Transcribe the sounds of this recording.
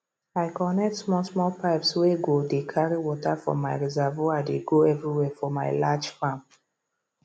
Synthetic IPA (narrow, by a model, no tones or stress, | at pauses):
aɪkɔnɛk̚tsmɔlsmɔlpʰaɪpsweɡodekʰaɹiwɔtafɔ̰maɪɹizɛvoadeɡoɛvɹiwɛfɔmaɪlad͡ʒfãm